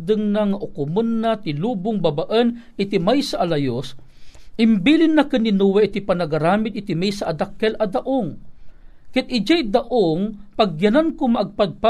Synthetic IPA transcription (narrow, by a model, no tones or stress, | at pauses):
d̪ɨŋnaŋaʔʊkʊmənːat̪ɪluːbʊŋbabaʔən | ɪt̪imajsaʔːlɐjos | ɪmbiːlɪnːakɨninuwɛʔit̪ipanɐɡaɾaːmɪd̪̚ɪt̪imajsaʔːd̪akːɛlɐd̪aʔoŋ | kɪt̪̚ɪd͡ʒajd̪aʔoŋpaɡjɐnankʊmaʔɐɡ̚pad̪̚pa